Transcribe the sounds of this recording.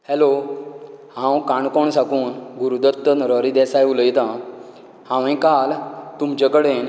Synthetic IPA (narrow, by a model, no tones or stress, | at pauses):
hɛlo | hãwkaɳkoɳsakuːnɡuɾud̪ət̪ːənɾəɾid̪ɛsajuləjt̪ã | hãʋẽkalt̪umt͡ɕakəɽen